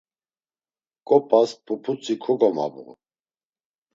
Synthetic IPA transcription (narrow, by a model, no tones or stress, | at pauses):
kʼɔpʼaspʰʼupʰut͡sʼikʰuɡɔma̰bṵʁ